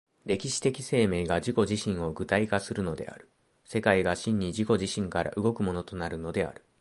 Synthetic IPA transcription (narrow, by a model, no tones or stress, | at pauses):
ɾe̞kʲiɕi̥t̪e̞kʲise̞ːme̞ːɡad͡ʑiko̞ʑiɕĩɰ̃o̞ɡɯ̟t̪aikasɨɾɯ̟no̞d̪e̞̰a̰ɾɯ̟̥ | se̞kaiɡaɕĩɲ̟ːiʑiko̞ʑiɕĩŋkaɾa̰ʔɯ̟ɡo̞kɯ̟mo̞no̞t̪o̞naɾɯ̟no̞d̪e̞a̰ɾɯ̟